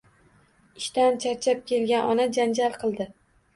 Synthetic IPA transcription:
ɪʃt̪ant͡ʃʰaɾt͡ʃʰap̚kʲe̞lɡʲanʔɒnad͡ʒand͡ʒalˠqʰɨlˠd̪ɪ

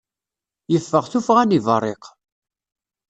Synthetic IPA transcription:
jəfːəʁθufʁænivərˤːeq

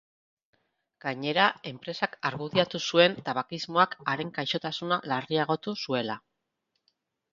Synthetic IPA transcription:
ɡ̥aɲe̞ɾae̞mpɾe̞sakaɾɣuðiat̪usue̞nt̪aβakizmo̞akaɾe̞ŋkajʃo̞t̪asunalariaɣ̞o̞t̪usue̞la

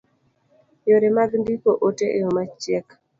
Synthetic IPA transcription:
joɾemaɡndikoʔoteʔejomat͡ʃjɛk

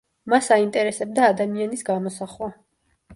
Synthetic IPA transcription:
masaint̪ʼɛɾɛsɛb̚d̪aːd̪amianisɡamɔsaχwa

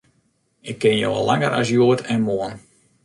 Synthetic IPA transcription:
ɪkʰːɪnjo̰wa̰laŋəɾʔa̰s̬juətʰɛnmoən

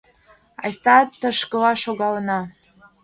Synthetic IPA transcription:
ɑ̰jst̪ɑt̪əʃkə̆lɑʃoɣɑlənɑ

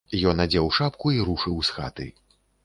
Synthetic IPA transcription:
jɔnad͡zʲɛwʂap̚kuiɾuʂɨwsxa̰t̪ɨ̰

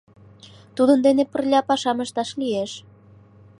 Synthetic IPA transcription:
t̪ud̪ənd̪enepə̆rlʲɑpɑʃɑməʃt̪ɑʃlieʃ

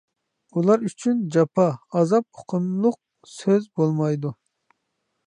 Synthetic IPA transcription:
ulˠɑɾyt͡ʃʰynd͡ʒɑpʰɑɑzɑp̚o̥qʰəmlˠʊq̚ | søzbolˠmɑjd̪u

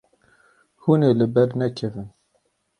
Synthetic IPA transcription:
huniləbæɾənækːævən

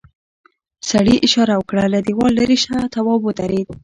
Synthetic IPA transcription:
saɽiʔɪʃɑɾawəkɽalad̪ewɑlːaɾiʃat̪awɑbot̪aɾed̪̚

